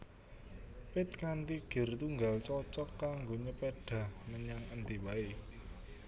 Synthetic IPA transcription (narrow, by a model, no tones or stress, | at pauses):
pɪt̪̚kant̪iɡ̥ə̤rt̪uŋɡalt͡ʃɔt͡ʃɔkːaŋɡoɲəpeɖ̥a̤hməɲaŋənt̪iwae